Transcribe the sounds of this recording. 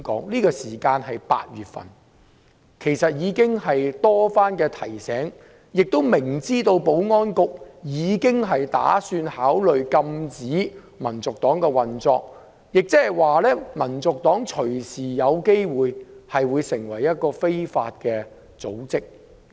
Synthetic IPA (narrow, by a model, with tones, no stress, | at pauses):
kɔ̰ː˨˥ŋliː˥kɔː˧siː˨˩kaː˧nɦɐ˨jpa̰ː˧t̚ɥyː˨t̚fɐ̰˨˩n | kʰe˨˩jsɐ˨t̚jiː˨˧kɪ˥ŋɦɐ˨jt̪ɔː˥faː˥nkɛː˧t̪ʰɐ˨˩jsɛː˨˥ŋ | jɪ˨k̚t̪o˥wmɪ˨˩ŋt͡siː˥t̪o˧wpo˨˥wŋɔː˥nkʊ˨k̚jiː˨˧kɪ˥ŋɦɐ˨jt̪a̰ː˨˥syː˧nhaː˨˥wlɵ˨ɥkɐ˧mt͡siː˨˥ | mɐ˨˩nt͡sʊ˨k̚t̪ɔː˨˥ŋkɛː˧wɐ˨nt͡sɔː˧k̚ | jɪ˨k̚t͡sɛː˥hɐ˨jwaː˨lɛː˥mɐ˨˩nt͡sʊ˨k̚t̪ɔː˨˥ŋt͡ʃʰɵ˨˩ɥsiː˨˩jɐ˨˧wke˥jwuː˨jhɐ˨jwuː˨˧jsɪ˨˩ŋwɐ˨˩jːɐ˥t̚kɔː˧fe˥jfa̰ː˧t̚kɛː˧ | t͡so˨˥wt͡sɪ˥k̚